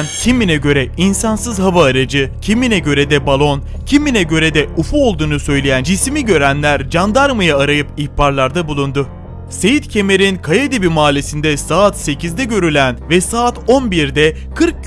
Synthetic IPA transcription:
ncʰimːinɛɟø̞ɾɛinsansɯzɦavaːɾad͡ʒɯcʰiminɛɟø̞ɾɛd̪ɛbalˠo̞n | cʰimːinɛɟø̞ɾɛd̪ɛufuo̞lˠd̪uːnusø̞jlʲejænd͡ʒismiɟø̞ɾænlʲæɾd͡ʒand̪aɾmɯjaːɾajɯpihpaɾlˠaɾd̪abulˠund̪ʊ | se̞jit̪cʰe̞me̞ɾinkʰajad̪ibimaːlʲesind̪ɛsaːt̪se̞cʰizd̪ɛɟø̞ɾylʲænvɛsaːt̪o̞nbiɾd̪ɛ | kʰɯɾk̚

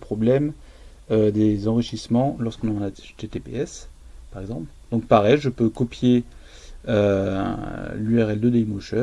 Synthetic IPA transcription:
əpχɔblɛm | ød̪ezɑ̃ʁiʃismɑ̃lɔʁskɔ̃nɑnat̪et̪epḛɛspaʁɛɡzɑ̃pld̪ɔ̃k̚paʁɛjʒəpøkɔpje | ø | lyɛʁɛld̪ød̪ɛimɔʃœ

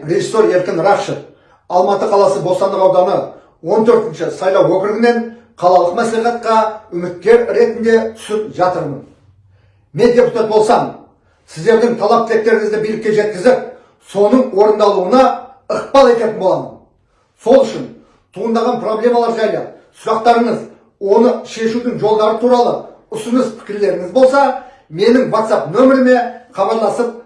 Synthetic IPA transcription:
ɾʲe̞ʒisːo̞ɾe̞ɾkʲɪnɾɑχʃəp | ɑlˠmɑt̪əqʰɑlˠɑsəbolˠst̪ɑnd̪əqɑwd̪ɑnə | wo̞nt̪ʰɵɾt̪ɪnʃɪsɑjlˠɑwɵkʲɪɾɪɡʲɪne̞n | qʰɑlˠɑlˠəqmæsliχɑt̪̚qɑʏmɪt̪̚kʲːe̞ɾɾe̞t̪ɪnd̪e̞t̪ʰʏ̥sɪp̚ʒɑt̪əɾmən | me̞nd̪ʲe̞put̪ɑt̪̚bo̞lˠsɑm | sɪzd̪e̞ɾd̪ɪŋt̪ʰɑlˠɑp̚kʲʰɪle̞k̚t̪e̞ɾɪŋɪzd̪ɪbijlɪkʲːeʒe̞t̪̚kʲɪzɪp̚ | so̞nəɴwo̞ɾənd̪ɑlˠuənɑ | əq̚pɑlˠe̞kʲe̞t̪ɪnbolˠɑmə̰n | so̞lˠʏʃɪn | t̪ʰuʁənd̪ɑʁɑnpro̞blʲe̞mɑlˠɑɾʒɑjlˠɑsʊɾɑqt̪ɑɾəɴəz | wo̞nəʃe̞ʃud̪ɪŋʒo̞lˠd̪ɑɾət̪ʰuɾɑlˠə | ʊsʊnəspʰɪ̥kʲɪɾle̞ɾɪŋɪzbo̞lˠsɑ | me̞nɪŋvat̪sɑpnɵmɪɾɪne̞χɑbɑɾlˠɑsəp̚

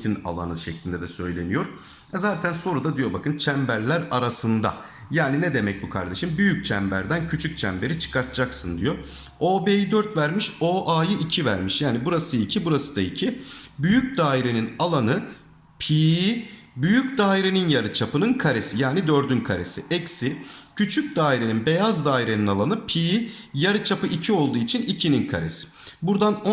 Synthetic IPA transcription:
t̪ʰina̰lˠa̰nɯʃɛclʲind̪ɛd̪ɛsø̞̰jlʲe̞̰nijo̞ɾ | ɛzaːt̪ʰænso̞ɾud̪ad̪ijo̞bakʰɯnt͡ʃʰæmbæɾlʲæɾaɾasɯnd̪a̰ | jaːninɛd̪e̞mɛc̚bukʰa̰ɾd̪e̞ʃɯmbyjyc̚t͡ʃʰæmbæɾd̪æncʰyt͡ʃʰyc̚t͡ʃʰæmbe̞ɾit͡ʃʰɯ̥kaɾt̪ʰɯd͡ʒaksɯnd̪ijo̞ | oːbeːjd̪øɾt̪væɾmiʃoʔaːjɯʔicʰivæɾmiʃjaːnibuɾasɯicʰibuɾasɯ̥d̪aicʰibyjyc̚ʲd̪aːiɾe̞ninalˠanɯ | pʰiː | byjyc̚d̪aːiɾe̞ninjaɾɯt͡ʃʰapɯnɯnkʰaɾe̞sijaːnid̪ø̞ɾd̪ynkʰaɾe̞siʔɛcsɪcʰyt͡ʃʰyc̚ʲd̪aːiɾe̞ninbe̞jazd̪aːiɾe̞ninalˠanɯpʰi | jaɾɯt͡ʃʰapɯʔicʰio̞lˠd̪uːit͡ʃʰinicʰininkʰa̰ɾe̞̰si̥buɾd̪an

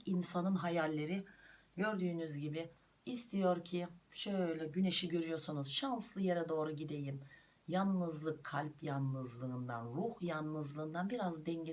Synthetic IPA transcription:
insanɯnɦajalʲːe̞ɾiɟø̞ɾd̪yːnyzɟibɪ | ist̪ʰijo̞ɾcʰiʃølʲɛɟyne̞ʃiɟøɾyjo̞ɾsunuzʃanslˠɯjeɾɛd̪o̞ːɾuɟid̪e̞jim | janːɯzlˠɯkʰːalʲpjanːɯzlˠɯːnd̪a̰nɾuhjanːɯzlˠɯːnd̪anbiɾazd̪ɛɲɟe

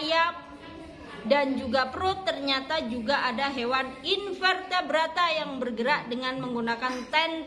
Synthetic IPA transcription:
jap | dand͡ʒuɡapɾot̪ːərɲat̪ad͡ʒuɡaʔadaɦewaninfɛrt̪abəɾat̪ajaŋbərɡəɾaʔdəŋanməŋɡunakant̪ɛn

